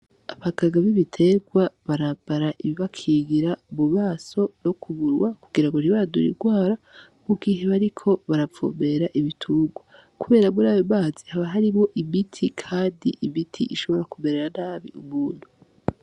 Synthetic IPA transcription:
aβaɡaɡaβiβitʰe̞ɡwaβaɾabaɾaʔiβiβakʰiɡiɾauβuβaːso̞no̞kʰuβuɾwakuɡiɾaŋɡoniβaadṵɾḭɡwaːɾa | muɡiːɦeβaɾikʰo̞βaɾavo̰be̞ɾaʔiβitʰuːɡwa | kuβe̞ːɾaβuɾaːβoβaːzihaβaɦaɾimo̞ʔiβitʰikʰaːndiʔiβitʰḭʔiʃo̞βo̞ɾakumeɾeɾan̥aːβḭʔumuːn̥hu

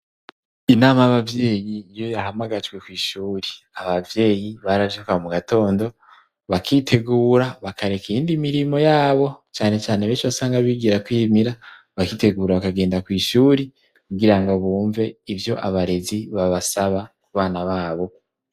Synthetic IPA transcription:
inaːmajaβavje̞ːjiːjo̞jaɦamaɡad͡ʒɡwe̞kwiːʃuːɾi | aβavje̞ːjiβaɾavjekaomuɡato̞ːndo̞ | βakʰiːtʰe̞ɡuːɾaβakʰaɾe̞kiiːndimiɾimo̞jaːβo̞t͡ʃaːne̞t͡ʃaːne̞βeːnʃiβasaːŋɡaβiɡiɾakwiːmiɾa | βakiːte̞ɡuːɾaβakaɡe̞ːndakwiːʃuːɾi | kuɡiɾaŋɡoβuːɱve̞ivjo̞ʔaβaɾe̞ziβaβasaβakuβaːnaβaːβo̞

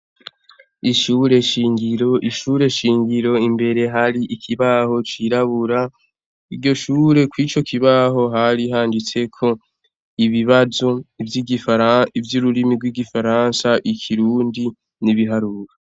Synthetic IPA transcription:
iʃuːɾe̞ʃiːŋɡiɾoʔiʃuːɾe̞ʃiːŋɟiɾo̞imbe̞ɾe̞ɦaɾiʔikʰiβaho̞t͡ʃiɾaβuɾa | iɾɟo̞ʃuːɾe̞kwit͡ʃokʰiβaɦo̞ɦaɾiɦaːndit͡se̞kʰo̞ | iβiβazo̞ivjiɡifaɾaivjuɾuɾimiɡwiːɡifaɾaːnsaʔikʰiɾuːndi | niβiɦaɾuɾa

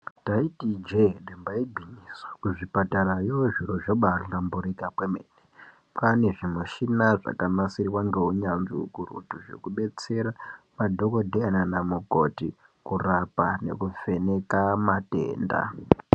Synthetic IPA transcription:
taitid͡ʒeɗembaibʱiɲiswḁkuʐipataɾajoʐiɾoʐoɓarɬambuɾikapwemḛne | pane̞ʐimuʃinaʐa̰kamasirwaŋɡe̞uɲanzḭṵkurṵtuʐe̞̰kuɓe̞t͡se̞ɾa | madʱoko̞dʱeananamuko̞ti | kurapane̞̰kufe̞ne̞kamate̞̰ːnda̰

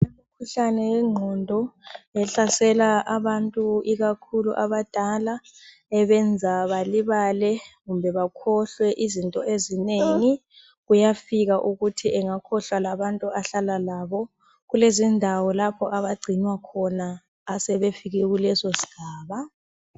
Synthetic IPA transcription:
emukʰuɬanɛjɛŋ͡ǃʱɔndʱɔɛɬasɛlaʔaβantʼuiɣakʰuluʔaβad̥ʼʱala | ɛβɛnd͡zʱaβaliβalɛɣumbʱɛβakʰɔɬwɛʔizintʼɔʔezineŋi | ɣujafiɣaʔuɣutʰiʔɛŋakʰɔɬwalaβantʼuaɬalalaːβɔ | ɣulezindʱawɔlapʰɔʔaβaɡ͡ǀʱinwakʰɔnaː | sɛβefiɣɛɣulɛsosi̥ɡ̥ʱaːβa

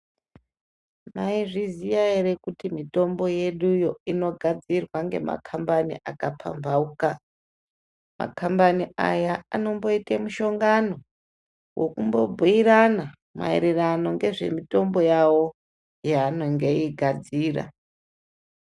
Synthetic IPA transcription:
maiʐizijaeɾekutimito̞mbo̞je̞ɗujo̞ino̞ɡʱad͡zirwaŋɡe̞ma̰kʰambanḭʔakapʰa̰mbauka | ma̰kʰambania̰jaano̞mbo̞itemuʃo̞ŋɡano̞ | wʔokumbo̞bʱuiɾana | ma̰e̞̰ɾerano̞ŋɡe̞ʐe̞̰mito̞mbo̞jawo̞ | jaːnoŋɡe̞iɡʱad͡ziːra̰

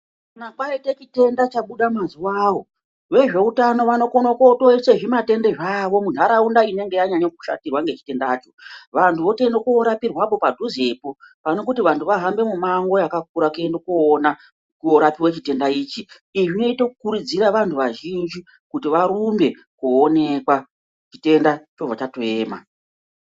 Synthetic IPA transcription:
nakaite̞t͡ʃite̞ndat͡ʃaɓuɗamazuwaːwo̞ | ʋe̞ʐe̞utano̞ʋano̞konokotoise̞ʐimate̞nde̞ʐaːʋo̞mun̤aɾaundaine̞ŋɡe̞jaɲaɲoku̥ʃa̰tirwaŋɡe̞t͡ʃi̥te̞ndaːt͡ʃo̞ʋantʰuʋo̞tendokuːɾapirwapo̞padʱuze̞popano̞k̬utiʋantʰuʋaɦambe̞mumaŋɡo̞jakak̚uɾakendokuːna | kuoɾapiwet͡ʃite̞ndaiːt͡ʃi | iʐino̞ito̞kukuɾud͡ziɾaʋantʰuʋaʒind͡ʒi | kutiʋaɾumbe̞ | kuone̞kwa | t͡ʃi̥te̞ndat͡ʃovat͡ʃatoeːma̰

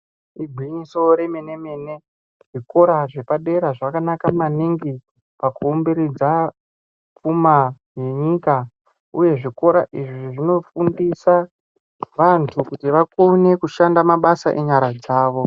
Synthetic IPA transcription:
iɡʱwiɲiso̞ɾe̞mene̞meːne | ʐ̥iko̞ɾaʐe̞paɗe̞ɾaʐakanakamaniŋɡi | pakuombeɾid͡za | p͡fuma | je̞ɲiːka | uje̞ʐiko̞ɾaʔiʐiʐeʐino̞fundisa | ʋantʰukutiʋakone̞kuʃandamaɓasaʔeɲaɾad͡zaːʋo̞

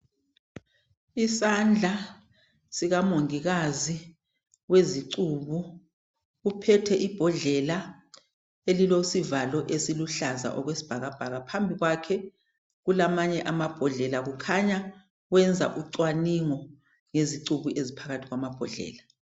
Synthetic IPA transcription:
isand͡ɮʱa | siɣamoŋiɣazi | weziǀuːβu | ɣupʰɛtʰɛʔib̥ʱɔɮɛla | elilosivalɔʔesiluɬaza̰ʔɔɣwesi̥b̥ʱaɣab̥ʱaɣapʰambʱiɣwakʰɛ | ɣulamaɲɛʔamab̥ʱɔɮɛlaɣukʰaɲa | ɣwɛnd͡zʱa̰ʔuǀwaniŋɔ | ŋeziǀuβuʔezipʰaɣatʰiɣwamab̥ʱɔɮɛ̰ːla

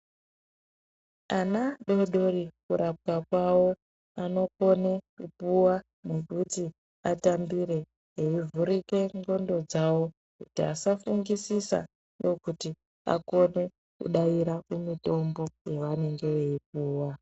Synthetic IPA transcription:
anaɗo̞ɗo̞rikuɾap̚kakwawo̞ | ano̞ko̞ne̞kupuwa | nekuti | atambiɾe̞ | ɦeivuɾike̞ŋɡo̞ndo̞d͡zawo̞ | kutiasafuŋɡisisa̰ | ndo̞kuti | a̰ko̞ne̞ | kṵɗaiɾakumito̞mbo̞jeʋane̞ŋɡe̞ʋe̞ip̚uːwa

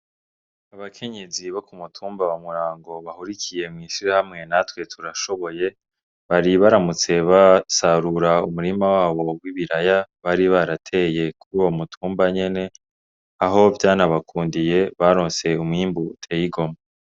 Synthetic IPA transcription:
aβakʰe̞ɲe̞ziβo̞kumutʰuːmbaβamuɾaːŋɡo̞βahuɾicʰije̞mŋiːʃiɾahamŋe̞natwe̞tʰuɾaʃo̞βo̞je̞ | βaɾiβaɾamut͡se̞βasaɾuɾaumuɾimawaːβo̞ɡwiβiɾajaβaɾiβaɾatʰe̞je̞kuɾuwo̞mutʰuːmbaɲe̞ne̞ | aɦo̞vjaːnaβakʰuːndije̞βaɾo̞ːnse̞umŋiːmbutʰe̞ːjiɡo̞ma

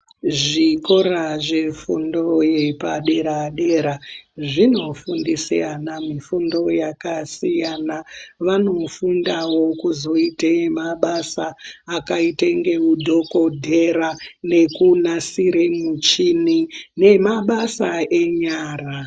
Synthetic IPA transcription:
ʐiko̞ɾaʐefundo̞jepaɗe̞ɾaɗe̞ɾaʐino̞fundisḭjanamifundo̞jakasijanaʋano̞fundawo̞kuzo̞itemaɓasaːkaiteŋɡe̞udʱo̞ko̞dʱe̞ɾane̞kunasiɾemut͡ʃinine̞maɓasae̞ɲaːra

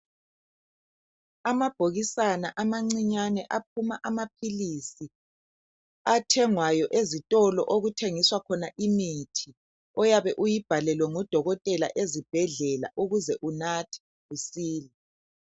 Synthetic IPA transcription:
amab̥ʱoɣisanaʔamaŋ͡ǀiɲanɛʔap̚ʰumaʔamapʰilisi | atʰɛŋwajɔʔezitʼɔlɔ̰ʔoɣutʰeŋiswakʰɔnaʔimitʰi | ɔjaβɛʔujib̥ʱalɛlwɛŋɔd̥ʱɔɣɔtʼɛla̰ʔezib̥ʱɛɮɛla̰ʔuɣuzɛʔunatʰi̥ | usiːlɛ

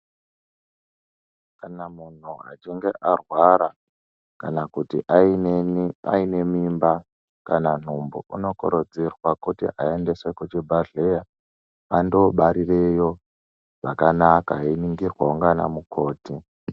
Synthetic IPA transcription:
kanamun̤ua̰t͡ʃiŋɡeʔarwaɾa | kanakutḭʔ | a̰ine̞mimba | kanan̤umbo̰ʔuno̞ko̰ɾod͡zirwakutḭʔaende̞sekot͡ʃebʱaɮe̞ja | ando̞ɓaɾire̞jo | ʐakanakainiŋɡirwauŋɡana̰mukʰo̞ːti

